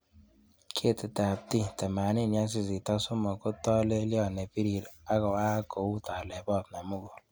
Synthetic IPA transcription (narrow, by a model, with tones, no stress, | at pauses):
kʰe˦˨te˨ta˨a˨p̚ti˦tɛ˨ma˨ni˦˨nja˦s̬i˦˨zi˨tɔ˦so˦mo˨ko˦tɔ˦le˦li˦ɔ˦˨ne˨pi˦ɾi˨ɾa˦ɡɔ˨a˦ko˨˦wu˦ta˨le˨bɔ˦˨tna˨mo˦ɡo˨